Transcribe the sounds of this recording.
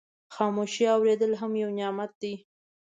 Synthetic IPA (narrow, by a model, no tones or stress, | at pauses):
xɑmoʃiawɾed̪əlɦamjawnjɑmat̪̚d̪i